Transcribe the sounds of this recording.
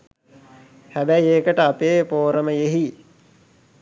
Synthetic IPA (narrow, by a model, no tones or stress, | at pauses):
hæbæjeːkəʈəapeːpoːɾəməjeɦi